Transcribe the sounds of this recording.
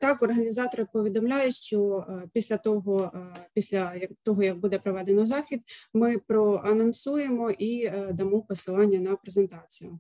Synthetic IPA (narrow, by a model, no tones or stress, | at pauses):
t̪ɑkɔrɦɐnʲizɑt̪ɔɾɪpɔʋʲid̪ɔmlʲajʊʃt͡ʃɔpʲisʲlʲɐt̪ɔɦɔpʲisʲlʲɐjɐkt̪ɔɦɔjɐɡ̚bud̪ɛpɾɔʋɛd̪enɔzɑxʲid̪̚mɪpɾɔʔɐnɔnsujemɔʔid̪ɐmɔpɔsɪlˠɑnʲːɐnɐpɾezent̪ɑt͡sʲijʊ